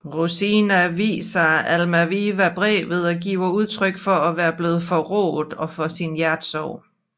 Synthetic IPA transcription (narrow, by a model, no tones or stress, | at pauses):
ʁusinæʋḭːsɐælmæʋiʋæb̥ʁɛ̰ːʋð̞̩ˠɒ̽ɡ̥ḭːʊɐuð̞ˠt͡sʰʁœɡ̥fɒ̽æʋæːɐb̥le̝ːð̞̩ˠfɒ̽ʁɔ̰ːð̩ˠɒ̽fɒ̽sinjæɐd̥sɒʊ̰